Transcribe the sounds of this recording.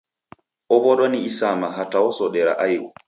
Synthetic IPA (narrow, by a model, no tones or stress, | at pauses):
ɔbɔɗɔniisamaɦataɔsɔɗɛɾa̰ʔajwɔ